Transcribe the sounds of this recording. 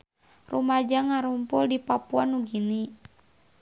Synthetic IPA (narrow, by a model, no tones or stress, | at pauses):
rumad͡ʒaŋaɾumpuldipapuanːuɡini